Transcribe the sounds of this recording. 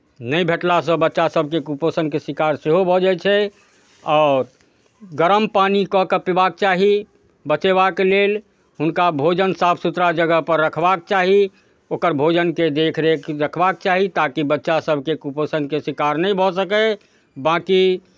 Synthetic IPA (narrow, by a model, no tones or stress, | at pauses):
nəĩbʱeʈlas̬ə̃bətːʃasəb̚ʱkekuposənkesikaɾseɦobʱɔd͡ʒət͡ʃʰɛ | ɔːɾɾ | ɡəɾəmpanikɔkəpibak̚t͡ʃaɦi | bət͡ʃeβakelel | ɦʊnkabʱod͡ʒənsapʰsut̪ɾad͡ʒəɡəɦpəɾːəkʰbak̚t͡ʃaɦi | okəɾbʱod͡ʒənked̪ekʰɾekɾəkʰbakt͡ʃaɦit̪akibətːʃasəbʱkekuposənkesikaɾnəĩbʱɔsəkɛ | baki